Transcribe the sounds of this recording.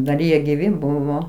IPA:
dɐr ˈjiɛ ɡʲɪˈʋʲɪ ˈbʊʋoː

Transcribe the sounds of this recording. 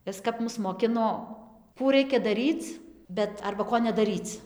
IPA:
ˈɪs kɐp ˈmʊs moːˈkʲɪnoː ˈkuː ˈrɐɪkʲɛ dɐˈrʲiːt͡s ˈbʲɛt ɐrbɐ ˈkoː nʲɛdɐˈrʲiːt͡s

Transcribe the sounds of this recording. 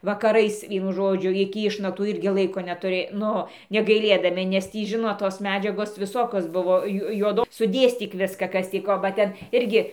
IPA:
ʋɐkɐˈrɐɪs ˈʋʲiɛnʊ ˈʒoːd͡ʒʲʊ ɪkʲɪ ˈɪʃnɐktuː ˈɪrʲɡʲɪ ˈlˠɐɪkoː nʲɛtʊˈrʲeː ˈnʊ nʲɛɡɐɪˈlʲeːdɐmʲɪ nʲɛs ˈtʲiː ˈʒʲɪnoːt toːs ˈmʲæːd͡ʒʲɛɡoːs ʋʲɪˈsoːkʲoːs ˈbʊʋoː ˈjʊ juɔˈdoː sʊˈdʲeːsʲtʲiːk ˈʋʲɪskɐ ˈkɐs tʲiː ˈkoː bɐ ˈtʲɛn ˈɪrʲɡʲɪ

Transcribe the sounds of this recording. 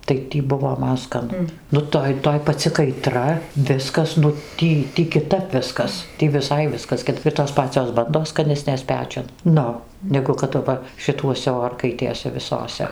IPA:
tɐɪ ˈtʲiː ˈbʊʋoː ˈmɐn skɐˈnʊ ˈnʊ ˈtoːj ˈtoːj pɐˈt͡sʲɪ kɐɪˈtrɐ ˈʋʲɪskɐs nʊ ˈtʲiː kʲɪˈtɐp ˈʋʲɪskɐs ˈtʲiː ʋʲɪˈsɐɪ ˈʋʲɪskɐs kʲɪt ɪr toːs ˈpɑːt͡sʲoːs ˈbɐndoːs skɐˈnʲæːsʲnʲeːs ˈpʲæːt͡ʃʲʊn ˈnʊ ˈnʲæːɡʊ kɐt ɐˈʋɐ ʃʲɪˈtuɔsʲɛ ˈoːrkɐɪtʲeːsʲɛ ʋʲɪˈsoːsʲɛ

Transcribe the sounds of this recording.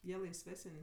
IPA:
ˈjiɛ lˠɐɪsʲˈʋʲæːsənʲ

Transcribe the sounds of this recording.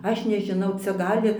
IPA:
ˈɐʃ nʲɛʒʲɪˈnɐʊ ˈt͡sʲɛ ˈɡɑːlʲɪ

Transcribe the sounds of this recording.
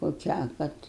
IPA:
koːˈkʲæː ˈkɐt

